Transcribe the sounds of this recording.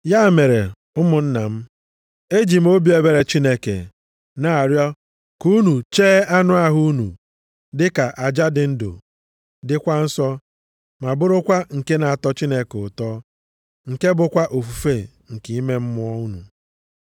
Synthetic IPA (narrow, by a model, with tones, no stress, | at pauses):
ja˦˨me˨ɾḛ˨ | ʊ˦mʊ˨n̩˦na˨m̩˦ | e˦d͡ʒi˨m̩˦o˦bi˦e˨be˨ɾe˨t͡ʃi˦ne˦kḛ˨ | na˨a˨ɾjɔ˦ | ku˦nu˨t͡ʃeː˦a˦nʊ˦a˦ɦu˦u˦nṵ˨ | dɪ˦ka˨ʔa˨d͡ʒa˦dɪ˨n̩˦dʊ̰˨ | dɪ˦kʷa˦n̩˦sɔ˦ | ma˨bʊ˦ɾʊ˦kʷa˦ŋ̩˨ke˦na˨a˨tɔ˦t͡ʃi˦ne˦kʊ˨tɔː˦ | ŋ̩˨ke˦bʊ˨kʷa˦ʔo˨fu˨fe˦˨ | ŋ̩˨ki˨i˦me˦m̩˦mʊ˦ɔ˦u˦nṵ˨